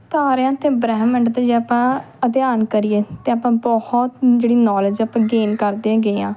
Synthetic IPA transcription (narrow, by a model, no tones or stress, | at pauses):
t̪aːɾãːt̪ẽːbɾɛːmə̃ɳʈt̪eːd͡ʒeapãː | əd̪jaːnkəɾieːt̪eːapãːbɔhɔt̪d͡ʒeːɽiːnɔːlːd͡ʒaːpãːɡeːnkəɾd̪ẽãːɡəːãː